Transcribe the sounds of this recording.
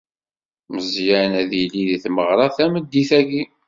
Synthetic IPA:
məzjænæðiliðiθməʁɾˤɑθæməd̪ːiθæɡi

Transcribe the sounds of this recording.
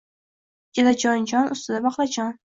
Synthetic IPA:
d͡ʒɪd̪ad͡ʒɒnd͡ʒɒnʔʊ̰st̪ɪd̪abɒqlˠad͡ʒɒn

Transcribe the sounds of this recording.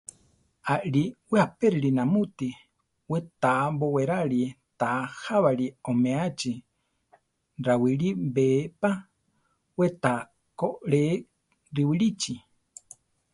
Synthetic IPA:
aɾiwehapeɾiɾinamut̪i | wet̪aboweɾaɾi | t̪ahaβaɾiomẽat͡ʃi | ɾawiɾibepa | wet̪a | koɾe | ɾiwiɾit͡ʃi

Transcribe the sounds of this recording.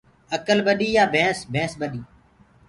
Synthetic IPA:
əkəlɓəɗiːjaːbʱẽːsbʱẽːsɓəɗiː

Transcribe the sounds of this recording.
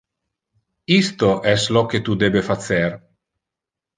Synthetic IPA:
ist̪oʔɛsloket̪ud̪ebefat̪ser

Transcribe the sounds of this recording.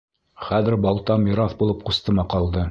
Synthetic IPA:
χæðɘ̆ɾbɒlˠt̪ɑmiɾɑθbulˠɤp̚qust̪ɤmɑqɑlˠd̪ɤ

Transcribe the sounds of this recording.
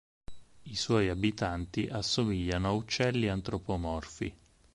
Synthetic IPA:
iswɔjabit̪ant̪iʔasːomiʎːanoaut͡ʃːɛlːiant̪ɾopomɔrfḭ

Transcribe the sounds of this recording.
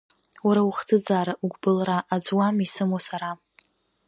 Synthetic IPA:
waɾauχd͡zɨd͡zaːɾaʔuɡʷbɨlraʔad͡zwamisɨmosaɾa

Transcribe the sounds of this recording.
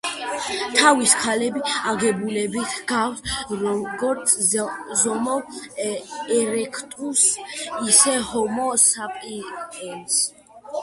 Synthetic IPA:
t̪ʰaviskʰalɛbiaɡɛbulɛbitʰɡ̥akt̪ | ɡɔɾt̪sʼzɔmɔ | ɛɾɛkʰt̪ʼusisɛhɔmɔsapʼiɛns

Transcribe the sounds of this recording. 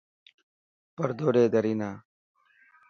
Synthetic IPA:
pəɾd̪oːɖeːd̪əɾinaː

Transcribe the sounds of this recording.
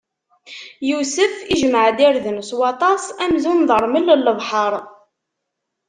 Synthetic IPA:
jusəfiʒməʕd̪iɾðənəswɑt̪ˤɑsˤæmzunðəɾˤməlːəlːəvˤħəɾˤ

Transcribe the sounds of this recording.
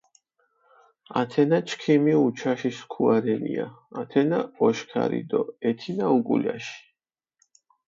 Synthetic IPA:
at̪ʰɛnat͡ʃʰkʰimiut͡ʃʰaʃiskʰuaɾɛniaːt̪ʰɛnaɔʃkʰa̰ɾḭd̪ɔɛt̪ʰinaukʼṵljaʃi̥

